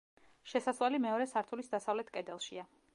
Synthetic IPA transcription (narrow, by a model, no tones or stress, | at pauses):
ʃɛsaswalimɛɔɾɛsaɾt̪ʰulisd̪asavlɛt̪ʰkʼɛd̪ɛlˠʃia